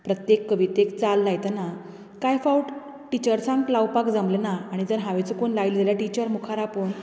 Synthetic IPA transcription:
pɾət̪jekːəʋit̪ekt͡salːajt̪ana | kajfawʈ | ʈit͡ɕəɾsãŋklawpakd͡zamlenaːɽ̃id͡zəɾɦaʋet͡səkoɳlaild͡zaljaʈit͡ɕəɾmukʰaɾapəɳ

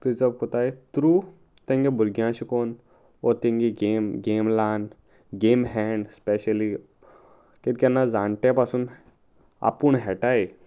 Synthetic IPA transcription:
pɾid͡zəʋkot̪ajt̪ɾu | t̪ẽŋɡibuɾɡjãɕikon | ɔt̪ẽŋɡiɡemɡemlan | ɡemɦɛɳɖspeɕəli | ket̪̚kʲɛnːad͡zãɳʈepasuːn | a̰puɳɦɛʈaj

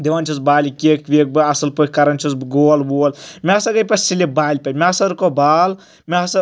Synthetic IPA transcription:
d̪eʋanʲt͡ʃʰusbaːlʲikʲeːkʋʲek̚bɨɐsɨlpokɐɾɐnʲt͡ʃʰusɡoːlboːlmʲeasɐɡɐjpɐsilʲebaːlʲpɐmʲaːsɐɾkobaːl | mʲesɐ

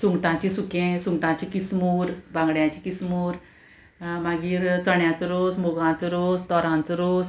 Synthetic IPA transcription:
suŋɡʈãt͡ɕĩsukẽsuŋɡʈãt͡ɕikismuɾbãŋɡɽjãt͡ɕiːkismuːɾ | maɡiːɾt͡səɳjat͡səɾosmoɡãt͡səɾost̪ɔɾãnt͡səɾos

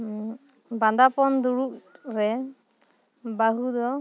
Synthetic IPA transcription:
band̪apɔnd̪uɾuʔɾɛ | baɦud̪ɔ

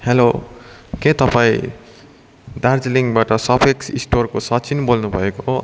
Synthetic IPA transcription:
helokẽt̪ʌpaĩ | d̪ard͡ziliŋbaʈʌsʌpʰeksisʈorkosʌt͡sinbolnubʱʌeko

